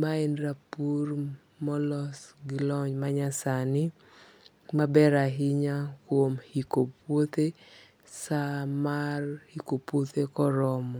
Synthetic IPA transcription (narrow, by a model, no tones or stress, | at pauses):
maenɾapur | mɔlɔsɡɪlɔɲmaɲasanɪ | mabɛɾaɦɪɲakwomhikopwot̪e | samarhikopwot̪ekɔɾɔmɔ